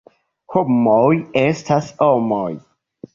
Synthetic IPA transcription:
kʰomɔjɛstʰasɔmɔj

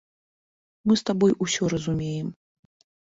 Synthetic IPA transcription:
mɨst̪abɔjʔusʲɔɾɐzumʲejɛm

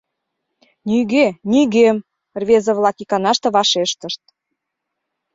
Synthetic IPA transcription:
nyɣenʲiɣem | rβezə̆βlɑkikɑnɑʃt̪ĕβɑʃeʃt̪əʃt̪̚

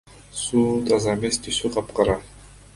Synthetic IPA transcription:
suːt̪ʰɑzɑmest̪ʰysyqʰɑpqɑɾɑ

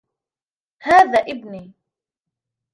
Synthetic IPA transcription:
haːðaːʔɪbniː

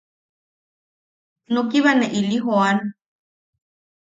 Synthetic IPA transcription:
nokiβaneʔiliɦoan

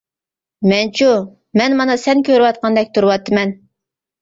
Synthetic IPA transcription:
mɛnt͡ʃʰu | mɛnmɑnɑsɛnkʲøɾwɑt̪̚qʰɑnd̪ɛk̚ʲt̪ʰuɾɨwɑt̪ʰːɨmɛn

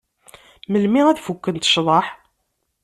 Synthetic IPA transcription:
məlmiʁæðfukːənt̪ə̥ʃðˤɑħ

